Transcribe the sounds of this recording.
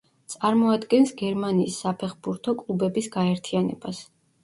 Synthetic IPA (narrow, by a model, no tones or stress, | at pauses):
t̪sʼaɾmɔad̪ɡɛnsɡɛɾmaniːsːapʰɛχbuɾt̪ʰɔkʼlˠubɛbisɡaɛɾt̪ʰianɛ̰b̥as